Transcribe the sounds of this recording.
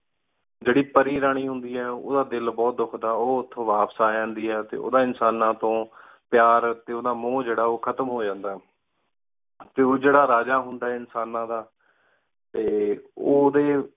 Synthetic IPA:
d͡ʒeːɽiːpəɾiːɾaːɽ̃iːɦʊ̃nd̪iːɦɛːo̰ːd̪aːd̪ɪlbɔːt̪̚d̪ʊkʰd̪aːoːʊt̪ʰːõːʋaːpsaːd͡ʒãːnd̪iːɦɛːt̪ḛːʔo̰ːd̪aːɪnsaːnãːt̪õː | pjaːɾt̪eːoːd̪aːmõːd͡ʒeːɽaːoːkʰət̪əmɦoːd͡ʒãːnd̪aːɦ | t̪eːoːd͡ʒeːɽaːɾaːd͡ʒaːɦʊnd̪aːɛːɪnsaːnãːd̪aː | t̪eːoːd̪eː

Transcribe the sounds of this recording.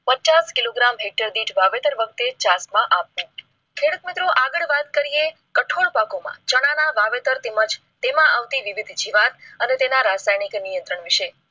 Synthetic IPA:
pət͡ʃaskiloɡɾamɦek̚ʈəɾd̪iʈʋaʋet̪əɾʋək̚t̪et͡ʃasmãʔapːũ | kʰeɽət̪mɪt̪ɾoʔaɡəɭʋat̪kəɾije | kəʈʰoɽpakomã̰t͡ʃəɽ̃anaʋaʋet̪əɾt̪eməd͡ʒ | t̪emãʔaʋt̪iʋiʋid̪ʱd͡ʒiʋat̪ənet̪enaɾasajniknijə̃nt̪ɾəɳʋiʃe

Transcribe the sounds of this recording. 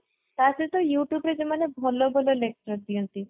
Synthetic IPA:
t̪asit̪ɔjuʈjubɾed͡ʑemanebʱɔlobʱɔlolek̚ʈɾɔɾd̪iɔnt̪i

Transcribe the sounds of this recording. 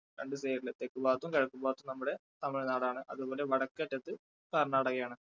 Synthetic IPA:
ɾeɳɖɨseːɾilːɐt̪ːekːubaːt̪ːumkɐɻɐkːubaːt̪ːumnɐmːuɽe̞t̪ɐmːiɭenaːɽaːɳɨʔɐ̰ðubo̞ːle̞ʋɐɽɐkːɨɐʈːɐt̪ːɨ | kɐɾɐɳːɐɐɽɐkːijaːɳɨ

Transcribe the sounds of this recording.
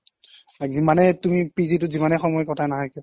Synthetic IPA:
azimanɛtumipizit̬ʊzimanɛxɔmɔjkɔtʰanaɦɔjkiʊ

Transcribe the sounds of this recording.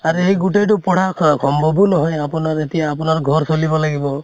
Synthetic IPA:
aɾuejɡuʈejʈupɔɽ̤akʰɔmbɔbunɔɦɔjapunaɾet̪iaːpunaɾɡʱɔɾsolibɔlaɡibɔ

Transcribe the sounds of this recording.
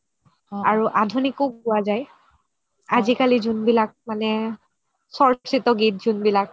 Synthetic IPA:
aɹuʔadʱunikoɡʊazaj | azikalizunbilak̚manɛ | sɔɹsitɔɡit̚zunbilak̚

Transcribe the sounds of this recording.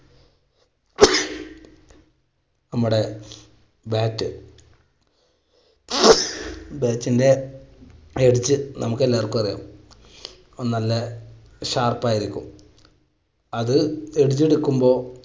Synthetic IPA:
nɐmːuɽe̞ | baːtːɨ | baːtːinde̞ | eɽut͡ɕːɨnʔɐmukːelːaːrkːupɐrija̰ːm | onnːɐlːɐ | ɕaːrpaːjiɾikʲːṵm | ɐðɨeɽt͡ɕːe̞ɽukːumbo̞ː

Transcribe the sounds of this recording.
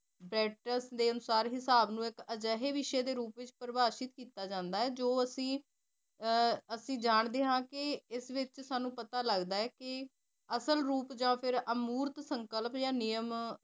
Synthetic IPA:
bɾɛːʈəsd̪eːənʊsaːɾɦɪsaːbnũːɪkəd͡ʒɛːɦeːʋɪʃeːd̪eːɾuːpʋɪt͡ʃpɾəbaːʃɪt̪kiːt̪aːd͡ʒãːnd̪aːɛːd͡ʒoːəsĩː | əsĩːd͡ʒaːɳd̪eːɦãːkɪɪsʋɪt͡ʃsaːnũːpət̪aːləɡd̪aːɛːkɪ | əsəlɾuːpd͡ʒãːpʰɪɾəmuːɾt̪səŋkəlpjaːnɪjəm

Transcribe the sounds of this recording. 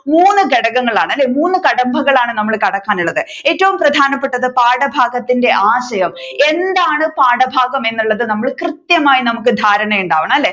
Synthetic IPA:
muːnːɨɡeɽɐɣɐŋːɐɭaːɳɐlːe̞ːmuːnːɨkɐɽɐmbʱɐɣɐɭaːɳɨnɐmːɐɭkɐɽɐkːaːnuɭːɐðɨ | e̞ːtːɐʋumprɐd̪ʱaːnɐpːe̞ʈːɐðɨpaːɽɐbʱaːɡɐt̪ːinde̞ʔaːɕɐjɐme̞nd̪aːɳɨpaːɽɐbʱaːɡɐme̞nːuɭːɐðɨnɐmːɐɭkrɨt̪jɐmaːjinɐmuk̬ːɨd̪ʱaːɾɐɳɐjuɳɖaːʋɐɳɐmɐlːe̞ː

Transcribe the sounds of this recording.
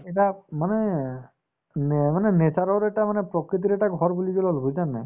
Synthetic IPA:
ɛʈamanɛ | nmanɛnesaɾɔɾɛʈamanɛpɾɔkɾit̪̬iɾɛʈaɡʱɔɹbuliɡɔlɔlbojzanːa̰j

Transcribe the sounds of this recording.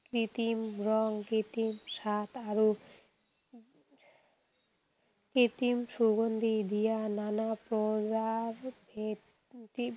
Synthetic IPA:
kɾit̪imɾɔŋkit̪imʃat̪aɾu | kit̪imsuɡond̪id̪ijananapɾod̪aɾbe | i

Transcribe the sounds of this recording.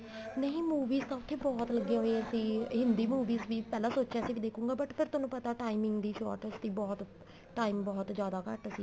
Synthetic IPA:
nəɦĩːmuːʋiːzt̪ãːʊt̪ʰːeːbɔːt̪ləɡːjãɦoeəsĩːɦɪnd̪iːmuːʋiːzʋiːpɛːlaːsoːt͡ʃɛ̃ːsiːʋiːd̪eːkʰũːŋɡaːbəʈpʰɪɾt̪ʊnũːpət̪aːʈaːimɪ̃ŋɡd̪iːʃɔ̰ːɾʈəst̪iːbɔːt̪ | ʈaːiːmbɔːt̪d͡ʒjaːd̪aːkəʈəsĩː

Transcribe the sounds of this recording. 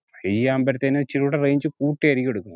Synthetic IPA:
hejijaːmbɐɾt̪ːɐnːet͡ɕiɾuɽereːɲd͡ʑɨkuːʈːiɐɾikʲːeɽukːun

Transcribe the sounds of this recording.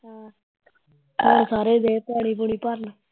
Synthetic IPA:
oɾsaːɾeːd̪eːpɛːɽ̃iːpuɳiːpəɾn

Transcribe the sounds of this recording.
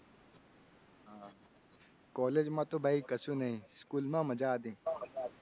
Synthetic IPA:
ɦã | kɔːleːd͡ʒmãt̪obʱaːikɐsũnɐɦĩskuːlmãmɐd͡ʒaːd̪ĩː

